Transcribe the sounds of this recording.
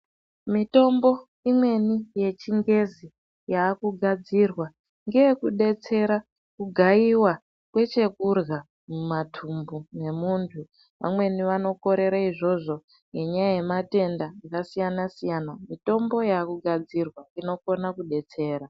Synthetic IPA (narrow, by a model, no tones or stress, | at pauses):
mito̞mbo̞ | imwe̞nije̞t͡ʃiŋɡe̞zi | jaːkuɡʱad͡zirwa | ŋɡeekuɗe̞t͡se̞ɾa | kuɡʱaiwa | kwe̞t͡ʃe̞kurɣa | mumatʰumbune̞muːntʰu | ʋa̰mwe̞niʋano̞ko̞ɾe̞ɾaiʐo̞ʐo̞ | ŋɡe̞ɲajaje̞mate̞ndaakasijanasijanamito̞mbo̞jaːkuɡʱad͡zirwaŋino̞ko̞nakuɗe̞t͡se̞ːɾa